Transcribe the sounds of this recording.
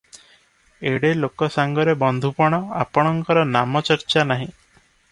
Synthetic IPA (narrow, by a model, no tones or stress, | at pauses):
eɽelokɔsaŋɡɔɾebɔnd̪ʱupɔɽ̃ɔapɔɽ̃ɔŋkɔɾɔnamɔt͡ʃɔɾt͡ʃanaɦĩ